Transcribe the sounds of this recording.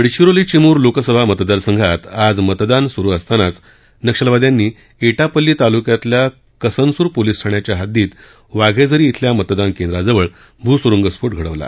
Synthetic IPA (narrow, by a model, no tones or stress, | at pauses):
əɽɕiɾolit͡ɕimuːɾlokəsəbʱamət̪d̪aɾsəŋɡʱat̪ad͡zmət̪d̪ansuɾuːəst̪anat͡s | nəkʂəlʋad̪janːiː | eʈapəlːiːt̪alukjat̪lja | kəsənsuːɾpoliːsʈʰaɳjat͡ɕjaɦad̪iːt̪ | ʋaɡʱed͡zəɾiːt̪ʰljamət̪d̪ankẽnd̪ɾad͡zəʋəɭ | bʱuːsuɾuŋɡəspuʈ̚ɡʱəɽəʋla̰